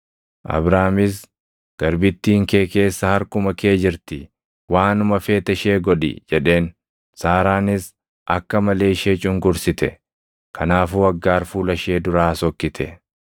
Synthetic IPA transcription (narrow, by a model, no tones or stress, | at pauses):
ʔɐ̰bɾaːmɪs̬ | ɡ̥ɐɾbɪt̪ːiːŋke̞ːke̞ːsːɐhɐɾkʊmɐke̞ːd͡ʒɪɾt̪ɪ | waːnʊmɐfe̞ːt̪ɐʃe̞ːɡɔᶑɪ̰d͡ʒɛᶑe̞ːn | saːɾaːnɪs | ʔɐkːɐmɐle̞ːɪʃeːt͡ʃʼʊŋɡʊɾsɪt̪ɛ̰ | kʰɐnaːfuːɐɡːaːɾfuːlɐʃe̞ːd̪ʊɾaːsɔkːɪt̪ʰɛ